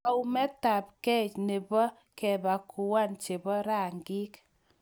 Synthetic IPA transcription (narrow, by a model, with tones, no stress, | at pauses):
a˦u˦mɛ˦ta˨p̚kɛ˦t͡ʃne˨bɔ˦ | kɛ˨ba˨kʰu˨wa˦nt͡ʃe˨bɔ˦ɾa˨ŋɡi˦k